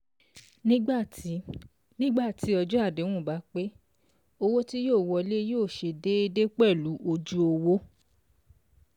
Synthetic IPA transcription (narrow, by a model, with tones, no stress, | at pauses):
nĩ˦ɡ͡ba˦˨˦ | nĩ˦ɡ͡ba˦˨ti˨˦ɔ˧d͡ʒu˦a˦˨dẽ˨˦ũ˦˨ba˨˦k͡pe˦ | o˧wo˦ti˦joː˦˨wɔ˧le˦joː˦˨ʃe˧de˦e˧de˦k͡pɛ˦˨lu˨˦ʔo˧d͡ʒu˦o˧wo˦